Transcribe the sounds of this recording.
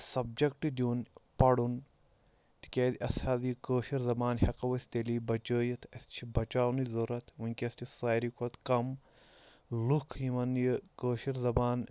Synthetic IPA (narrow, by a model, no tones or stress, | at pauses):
sɐb̚d͡ʒɐkʈid̪ʲuːnpɐɽun | t̪i̥kʲeːd̪iʔɐsaːzjikəːʃiɾzɐbaːnhɐqɐʋəst̪eliːbɐt͡ʃəːjɨt̪ʰɐst͡ʃʰibɐt͡ʃaːwnɨzɐɾɐt̪ʰunʲkʲɐstisaːjɾikʰɐt̪kɐm | lukʰimɐnjəkəːʃiɾzɐbaːn